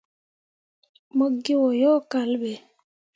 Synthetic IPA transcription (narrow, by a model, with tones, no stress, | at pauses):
mo˦ɡːi˦wɔ˨jɔː˦ka˨lɓɛ˨